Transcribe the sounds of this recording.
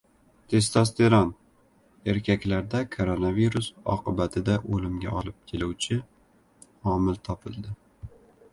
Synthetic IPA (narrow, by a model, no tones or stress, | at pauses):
t̪ʰe̞st̪ast̪eɾɒn | e̞ɾkʲʰakʲlaɾd̪akʰoɾonaviɾusɒ̰qɨbat̪ʰɪd̪aʔolɪmɡʲaɒlɪp̚kʲʰeluwt͡ʃʰɪ | hɒmɪlt̪ʰɒpʰɪlˠd̪ɪ